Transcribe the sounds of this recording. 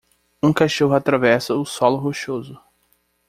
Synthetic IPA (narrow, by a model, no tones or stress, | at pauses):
ũkaʃoɦʊat̪ɾavɛsɐʊsɔlʊɦoʃozʊ